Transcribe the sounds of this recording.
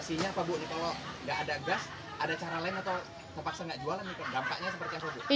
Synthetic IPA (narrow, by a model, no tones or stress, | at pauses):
siɲaːpabʊʔnikaloŋɡaʔːdaɡas | ʔadat͡ʃaɾalaɪnat̪aw | t̪ərpaksaŋɡaʔd͡ʒualanikaɡampa̰ʔɲasəpərt̪iapabʊʔ